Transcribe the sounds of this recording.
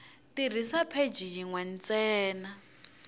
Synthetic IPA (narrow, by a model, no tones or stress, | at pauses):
tir̤isapʰed͡ʒijiŋwɛn̩t͡sɛːna